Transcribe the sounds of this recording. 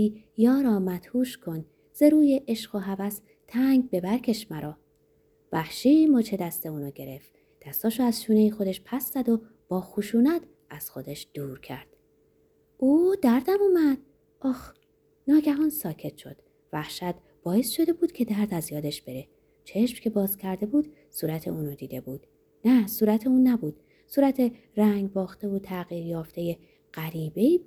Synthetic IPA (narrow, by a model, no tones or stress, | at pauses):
i | jɒːɾɒːmæt̪huːʃkʰo̞n | z̥e̞ɾuːjeʔeʃɢoɦævæs | t̪ʰæŋɡbe̞bæɾcʰe̞ʃmæɾɒː | væhʃiːmɔːt͡ʃʰe̞d̪æst̪e̞uːnɔːɟe̞ɾe̞f | d̪̥æst̪ɒːʃoæzʃuːnejixo̞d̪e̞ʃpʰæsz̥æd̪o̞ | b̥ɒːxuʃuːnæt̪ʰ | æz̥xo̞d̪eʃd̪̥uːɾcʰæ̰ɾd̪̥ | uːd̪æɾd̪æmuːmæd̪̥̚ | ʔɒːx | nɒːɟæɦɒːnsɒːcʰe̞t̪ʰʃod̪̥ | væhʃæt̪ | b̥ɒːje̞sʃo̞d̪e̞buːd̪̥cʰe̞d̪æɾd̪æzjɒːd̪e̞ʃb̥e̞ɾe̞ | t͡ʃʰe̞ʃmcʰe̞bɒːzcʰæɾd̪e̞buːd̪̥ | suːɾæt̪ʰeuːnod̪iːd̪e̞buːd̪̥ | næsuːɾæt̪ʰeuːnːæbuːd̪̥ | suːɾæt̪ʰe̞ | ræŋɡbɒːxt̪eot̪ʰæɣiːɾjɒːft̪e̞je̞ | ɢ̥æɾiːbeiː